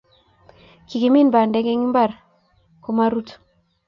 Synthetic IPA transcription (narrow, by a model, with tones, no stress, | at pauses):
ki˨ke˨mi˦nba˨ndɛ˦ɡe˦ŋi˦mba˦˨ɾ | ko˨ma˦ɾu˦tu̥˨